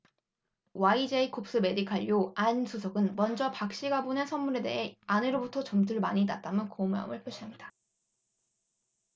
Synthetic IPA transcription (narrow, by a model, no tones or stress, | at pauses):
waid͡ʑeikʰop̚s͈ɯme̞dikʰaʎjoansʰusʰʌɡɯnmʌnd͡ʑʌpak̚ɕ͈iɡabonesʰʌnmuɾe̞de̞̰ɦe̞anɯɾobutʰʌt͡ɕʌmtʰɯɭmaɲinat̚t͈amɯnkomuɦa̰mɯɭp͈ʰɯɕ͈ʰiamɲida